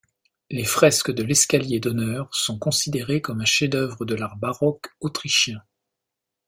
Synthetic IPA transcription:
lefχɛskəd̪əlɛskaljed̪ɔnœʁsɔ̃kɔ̃sid̪eʁekɔmɛ̃ʃed̪œvʁəd̪əlaʁbaʁɔkot̪χiʃjɛ̃

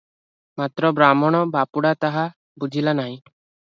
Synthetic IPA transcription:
mat̪ɾɔbɾamɔɽ̃ɔbapuɽat̪aɦa | bud͡ʒʱilanaɦĩ

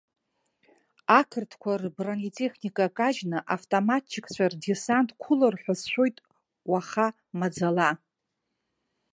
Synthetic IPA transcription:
akʰɨrtʰkʷʰarbranitʼeχnikʼakʼaʒnɨʔaftʼomatʰːɪkʼʰt͡ɕʷʰardisantʼkʷʰʊlarħʷasʃʷᶣo̞jtʼ | waχa | mad͡zala

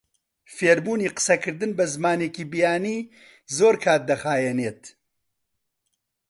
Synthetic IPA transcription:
feːɾmuːniːqɨ̥sɐkʰɨɾd̪ɨnbɐzɨmaːneːkiːbijaːniː | zoːɾkʰaːt̪̚d̪ɐxaːjɛneːt̪

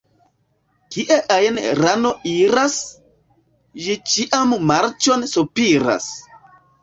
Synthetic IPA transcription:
kiʔeʔajenɾano̞iɾas | d͡ʒit͡ʃiʔammaɾt͡ʃo̞nsupiɾa̰s

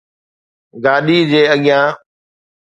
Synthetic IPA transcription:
ɡaːɗiːd͡ʑeːəɠɪjãː

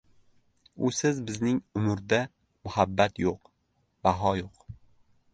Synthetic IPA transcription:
ʊsɪzbɪznɪŋʊmʊɾd̪a | mʊhabːat̪joq | b̥aɦɒjoq

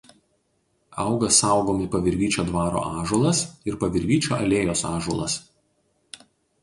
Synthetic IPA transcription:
ɑˑʊɡɐsɑˑʊɡoːmʲɪpɐʋʲɪɾʲɡʲiːt͡ʃʲoːd̪ʋɑːɾo̰ːʔɑːʒulˠɐsɪɾpɐʋʲɪɾʲɡʲiːt͡ʃʲo̰ːɐlʲeːjoːsɑːʒulˠɐ̰s

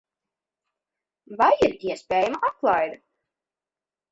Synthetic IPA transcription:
vajiɾiɛspʲɛːjamaʔat̪̚klˠajd̪

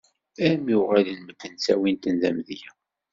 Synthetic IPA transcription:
æmjuʁæðənməd̪ənsæwint̪ənðæmðjæ

